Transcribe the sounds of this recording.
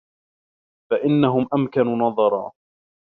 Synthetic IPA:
faʔɪnːaɦʊmʔamkanunɑðˤɑɾˤɑ̰ː

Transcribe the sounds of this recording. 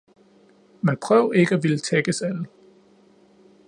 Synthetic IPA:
menpʰʁœʊe̝ɡ̥əæʋilət͡sʰeɡ̥əsælə

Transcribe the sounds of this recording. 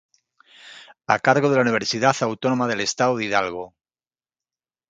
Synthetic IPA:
a̰kaɾɣo̞ð̞e̞launiβ̞e̞ɾsiðaθawt̪ono̞maðe̞le̞st̪aðoðiðalɣo

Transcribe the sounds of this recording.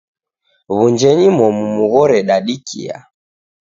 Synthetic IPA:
βund͡ʒɛɲimɔmumuɣɔɾɛɗaɗikʰḭa̰

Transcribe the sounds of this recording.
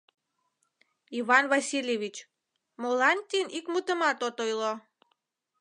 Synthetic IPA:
iβɑnβɑsilʲjeβʲit͡ɕ | molɑnt̪ʲinikmut̪əmɑt̪ot̪ojlo

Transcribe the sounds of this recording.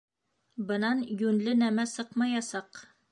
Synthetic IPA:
bɤ̆nɑnjʉnlɘnæmæsɤqmɑjɑsɑq

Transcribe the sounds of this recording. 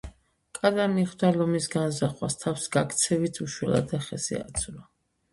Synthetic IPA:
kʼad̪amiχd̪alɔmisɡanzaχwast̪ʰafsɡakʰʼt̪sʰɛvit̪ʰuʃwɛla̰d̪aχɛsḭa̰t̪sʰla

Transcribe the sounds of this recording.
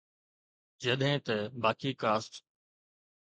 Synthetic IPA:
d͡ʒəɗ̪ɦẽːt̪əbaːkiːkaːsʈ

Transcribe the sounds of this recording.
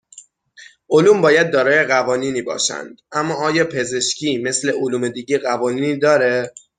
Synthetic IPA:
ʔoluːmbɒːjæd̪̚ːɒːɾɒːje̞ɣævɒːniːniːbɒ̰ːʃæ̰nd̪̥ʔæmːɒːɒːjɒːpʰe̞ze̞ʃcʰiːme̞sle̞ʔoluːme̞d̪iːɟeɢævɒːniːniːd̪ɒːɾe̞

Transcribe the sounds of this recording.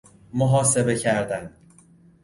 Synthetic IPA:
moɦɒːse̞be̞cʰæɾd̪æn

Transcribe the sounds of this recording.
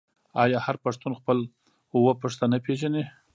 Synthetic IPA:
ɑjɑhaɾpaʂt̪unxpəl | ʊwəpəʂt̪anapeʒane

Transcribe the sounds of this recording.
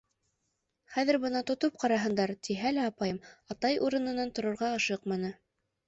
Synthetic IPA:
χæðɘ̆ɾbɤnɑt̪ŏt̪op̚qɑɾɑɦɤ̆nd̪ɑɾt̪iɦælæɑpɑjɤmɑt̪ɑjʔuɾɤ̆nɤ̆nɑnt̪ŏɾŏɾʁɑːʃɤqmɑnɤ

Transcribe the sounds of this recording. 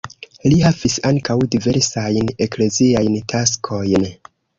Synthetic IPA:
lihavisaŋkawdive̞ɾsajne̞kle̞ziajntʰaskʰo̞jn

